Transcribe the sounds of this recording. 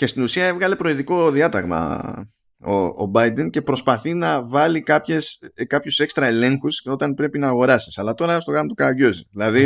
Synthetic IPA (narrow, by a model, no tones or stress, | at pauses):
ce̞st̪inusiɐe̞vɣɐle̞pɾo̞iðiko̞ðiɐt̪ɐɣmɐ̰ | o̰ːbɐjd̪e̞nce̞pɾo̞spɐθinɐvɐlikɐpçe̞skɐpçuse̞kst̪ɾɐe̞le̞ŋxuso̞t̪ɐnpɾe̞pinɐːɣo̞ɾɐsi̥sɐlɐt̪o̞ɾɐst̪o̞ɣɐmot̪ukɐʝoziðilɐði